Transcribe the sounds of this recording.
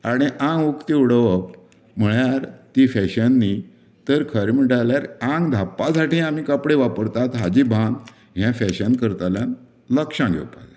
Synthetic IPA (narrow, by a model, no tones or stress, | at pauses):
aɽ̃iʔãŋɡʋukt̪iuɽʋək | m̤əɭjaɾt̪ifɛɕənːi | t̪əɾkʰəɾmiʈaljaɾãŋɡd̪ʱapːasaʈĩːamiːkəpɽeʋapəɾt̪at̪ɦad͡ʑibʱãn | ɦjãfɛɕənkəɾt̪aljan | ləkʂãɡʱḛʋpa̰la